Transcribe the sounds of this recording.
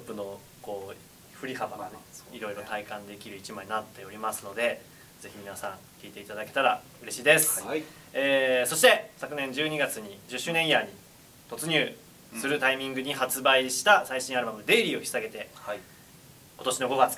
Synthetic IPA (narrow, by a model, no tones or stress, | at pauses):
t̪opːɯ̟no̞ | ko̞ː | ɸɯ̟ɾʲihabaɡaiɾo̞iɾo̞t̪aikãnd̪e̞kʲiɾɯ̟it͡ɕimaɲinat̪ːe̞o̞ɾʲimasɨno̞d̪e̞ | d͡ze̞çimʲinasãŋ | kʲiːt̪e̞it̪ad̪ake̞t̪aɾa | ɯ̟ɾe̞ɕiːd̪e̞sɨ̥ | eːso̞ɕi̥t̪e̞sakɯ̟nẽ̞ɲ̟d͡ʑɨːɲ̟iɡat͡sɨɲ̟id͡ʑɨɕːɨːnẽiaɲ̟i | t̪o̞t͡sɨɲ̟ɨː | ssɨɾɯ̟t̪aimʲĩŋɡɯ̟ɲ̟iɦat͡sɨbaiɕi̥t̪asaiɕĩaɾɯ̟mamɯ̟d̪e̞ːɾʲiːo̞çʲi̥saɡe̞t̪e̞ | ko̞t̪o̞ɕino̞ɡo̞ɡat͡sɨ̥